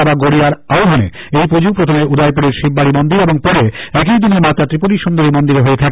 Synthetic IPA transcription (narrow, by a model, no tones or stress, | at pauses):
baɡoɽiaɾawɦanḛ | ejpod͡ʑupɾot̪ʰomeɾud̪ʱajpuɽeɾʃip̚baɽimond̪iɾeboŋpɔɾeɛk̬ijd̪ineɾmat̪at̪ɾipoliʃond̪oɾimond̪iɾeɦoet̪ʰak